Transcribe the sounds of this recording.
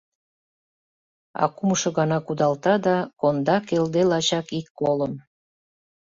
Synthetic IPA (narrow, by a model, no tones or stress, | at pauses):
ɑ̰kumʃŏɣɑnɑkud̪ɑlt̪ɑd̪ɑkond̪ɑkeld̪elɑt͡ɕɑkikːoləm